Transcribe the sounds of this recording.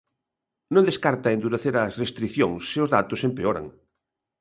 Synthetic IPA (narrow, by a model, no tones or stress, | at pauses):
nõnd̪eskaɾt̪ɐend̪uɾeθeɾɐsrest̪ɾiθjoŋsːɪʊzðat̪ʊsempeoɾa̰ŋ